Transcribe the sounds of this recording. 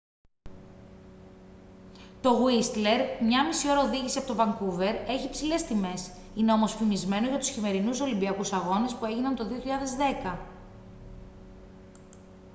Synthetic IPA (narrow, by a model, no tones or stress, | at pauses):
t̪o̞ɣwist̪le̞ɾmɲɐmisio̞ɾɐoðiʝisiɐpot̪obɐŋkuve̞ɾe̞çipsile̞st̪ime̞s | ine̞o̞mo̞sfimizme̞noʝɐt̪u̥sçime̞ɾinuso̞limbiɐkusɐɣo̞ne̞spue̞ʝinɐnt̪o̞ðioçiʎɐðe̞zðe̞kɐ